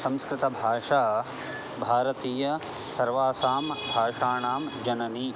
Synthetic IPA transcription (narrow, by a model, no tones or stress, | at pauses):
sɐ̃mskɾɪt̪ɐbʱaːʂaː | bʱaːɾɐt̪iːjɐ | sɐɾʋaːsaːmbʱaːʂaːɳaːmd͡ʒɐnɐni